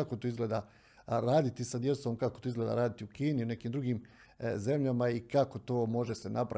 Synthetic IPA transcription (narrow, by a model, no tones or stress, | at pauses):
akot̪oizɡle̞ːd̪a | ɾaːd̪it̪isad̪je̞t̪so̞ːmkakot̪oizɡleda̰ɾaːd̪it̪iukiːniune̞kiːmd̪ɾuɡiːm | ze̞mʎamaikako̞t̪o̞ːmo̞ʒe̞se̞nʔapɾa̰